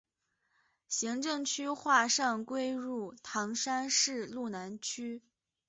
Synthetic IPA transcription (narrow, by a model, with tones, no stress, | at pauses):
ɕi˧˥ŋʈ͡ʂɤ˥˧ŋt͡ɕʰy˥xwa˥˧ʂɑ˥˧ŋkwe˥ɪɻu˥˩t̪ʰɑ˧˥ŋʂa˥nʂɻ̩˥˧lu˥˩na˧˥nt͡ɕʰy˥